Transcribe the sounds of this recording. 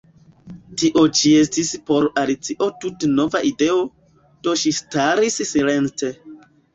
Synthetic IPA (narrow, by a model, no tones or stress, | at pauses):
tiʔo̞t͡ʃie̞s̬tispo̞ɾalit͡siʔo̞tutno̞vaʔide̞o̞ | d̥o̞ʃistaɾissile̞nte̞